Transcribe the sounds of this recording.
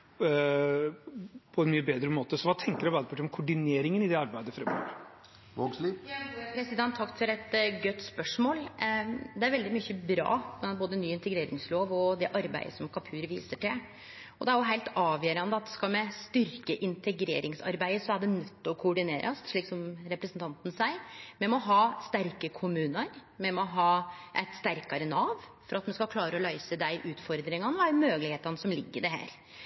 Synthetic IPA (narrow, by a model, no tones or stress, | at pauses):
pʰɔɛnmyːəbeːd̪ɾəmoːt̪əsɔʋɑːt̪ʰɛŋkəɾɛbæːd̪əpʰɑʈːɪɔmkʰʊɖɪneːɾɪŋənɪd̪ɛɑɾbæɪd̪əfɾɛmːɑ̰ːɡ | oɡslijɑuːpʰɾɛsɪd̪ɛnt̪ʰːɑkt̪fɔɾɛt̪ɡœt̪ːspœʂmoːl | d̪ɛæɾʋɛld̪ɪmyçəbɾɑ̰ːboːd̪ənyːɪnt̪ɛɡɾeːɾɪŋsloːʋɔd̪ɛʔɑɾbæ̰ɪəsɔmkʰɑpʰʉːɾʋiːsəʈɪl | ɔd̪ɛæɾjʊɦæɪlt̪ɑːʋjøːɾɑnd̪əɑt̪̚skɑlmɛst̪ʏɾkəʔɪnt̪ʰɛɡɾḛːɾɪŋsɑ̰ɾbæɪəsɔæɖɛnœt̪ːɔkʰʊɔɖɪneːɾʔɑst̪ʂɭiːksɔmɾɛpɾəsnt̪ʰɑnt̪n̩sæɪmɛmɔɦɑːst̪æɾkəkʰʊmʉːnəɾmɛmɔɦɑːʔæɪt̪st̪æɾkɑɾənɑːʋfɔɾɑt̪mɛnskɑlkʰlɑːɾəɔlœɪsəd̪æɪʔʉːt̪fɔɾd̪ɾɪŋɑnəæɪmøːɡlɪheːt̪ɑnəsɔmlɪɡːəɾd̪ɛɦæ̰ːɾ